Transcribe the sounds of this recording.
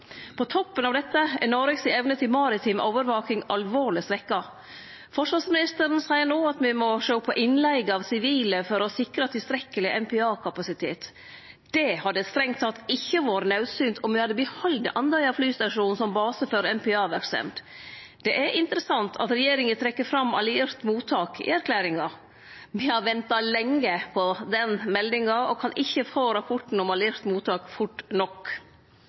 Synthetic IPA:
pʰɔt̪ʰɔpːənɑʋd̪ɛt̪ːəɛnoːɾɪksɪɛʋnət̪ʰɪlmɑɾɪt̪ʰɪmoːʋəɾʋɑːkɪŋʔɑlʋoːɭɪsɾɛkːɑ | fɔʂʋɑsmɪnɪst̪əɾənsæɪəɾnoːɑt̪ʋɪmɔʂoːpʰːɔʔɪnlɛɪɡɑʋsɪʋiːləfɔɾɔsɪkɾət̪ʰɪlst̪ɾɛkːəlɪʔɛmpʰɛɑːkʰɑpɑsɪt̪ʰeːt̪ | d̪̥ɛhɑd̪əst̪ɾɛŋt̪ʰːɑt̪ːɪçːəʋɑːɾənɑʉsyːnt̪ʰɔmʋɪhɑd̪ːəbɪhɔld̪əʔɑnd̪ɑɪɑflyːst̪ɑʂuːnsɔmbɑːsəfɔɾɛmpʰɛɑːʋæɾksɛ̰mt̪ | d̪̥ɛʔæɾʔɪnt̪əɾəsɑnt̪ʰɑ̰t̪ɾɛjeːɾɪŋət̪ʰɾɛkːəfɾɑmːɑ̰lɪɪɾt̪muːt̪ʰːɑːkɪ̰æɾkʰlæːɾɪŋɑ | mɪhɑɾʋɛnt̪ɑlɛŋːəpʰɔd̪ɛnmɛld̪ɪŋɑɔkʰɑnʔɪçːəfoːɾɑpʰɔʈn̩ɔmɑlɪɪɾt̪muːt̪ɑːkfʊʈːnɔkː

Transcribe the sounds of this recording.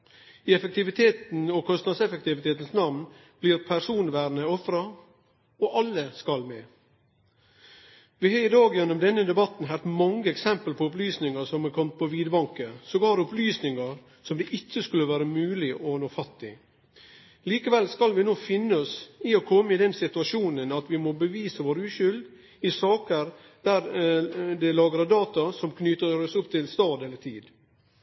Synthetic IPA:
ɪɛfək̚t̪ɪʋɪt̪ʰeːt̪n̩ɔkʰɔst̪nɑd̪sɛfɛk̚t̪ɪʋɪt̪ʰeːt̪n̩snɑʋn | b̥lɪɾpʰæɾʂuːnʋæːɾnəɔfɾɑ | ɔʔɑlːəskɑlmɛː | ʋɪhɑɪd̪ɑːɡjɛnːɔmd̪ɛnːəd̪ɛbɑt̪n̩ɦæɾt̪mɑŋːəɛksɛmpəlpʰɔʊplyːsnɪŋəsɔmɛkʰɔmt̪̚pʰɔʋiːd̪bɑŋkəsɔɡɑːɾʊplyːsnɪŋɑɾ | sɔmd̪ɛʔɪtːəskʉlːəʋæːɾəmʉːlɪʔɔnoːfɑt̪ːɪ̰ | liːkəʋɛlskɑlʋɪnoːfɪnːəɔsɪɔkʰɔmːəɪd̪ɛnsɪt̪ʉɑʂuːnənɑt̪ʋɪmɔbəʋiːsəʋoːɾʉːɕʏld̪ | ɪsɑːkəɾ | d̪̥æɾ | d̪ɛlɑːɡəɾɑd̪ɑːt̪ɑsɔmkʰnyːt̪əɾɔsʊpːt̪ʰɪlst̪ɑːd̪ɛlːət̪ʰiːd̪

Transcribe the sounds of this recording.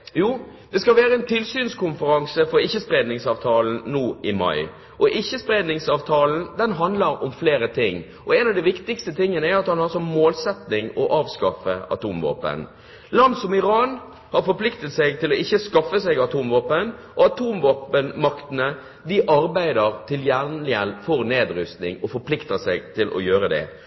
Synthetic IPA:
juː | d̪̥ɛskɑlʋæːɾəɛnt̪ʰɪlsyːnskʰʊnfəɾɑŋsəfɔɾɪçːəspɾeːd̪nɪŋsɑːʋt̪ʰɑːln̩nuːɪmɑ̰ɪ | ʔɔʔɪçːəspɾeːd̪nɪŋsɑːʋt̪ʰɑːln̩d̪ɛnɦɑnd̪ləɾɔmfleːɾət̪ʰɪŋː | ʔɔɛnɑʋd̪ɪʋɪkt̪ɪkst̪ət̪ʰɪŋːənəæɾɑt̪hɑnhɑɾsɔmːoːlsɛt̪nɪŋɔʔɑːʋskɑfə̰ɑ̰t̪uːmʋo̰ːpə̰n | lɑnd̪sɔmɪɾɑːn | hɑɾfɔɾpʰlɪkt̪ət̪sɛɡt̪ʰɪlɔɪçːəskɑfːəsɛɡɑt̪ʰuːmʋoːpənʔɔɑt̪ʰuːmʋoːpənmɑkt̪ənə | d̪ɪʔɑɾbæɪd̪əɾt̪ʰɪljænlɪəlfɔɾneːd̪ɾʏst̪nɪŋɔfɔɾpʰlɪkt̪əsɛɡt̪ʰɪlʔɔ̰jøːɾəd̪ɛ̰

